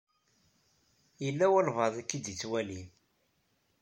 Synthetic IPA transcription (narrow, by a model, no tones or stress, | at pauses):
jəlːæwælvɑðˤækːid̪it͡sːwælim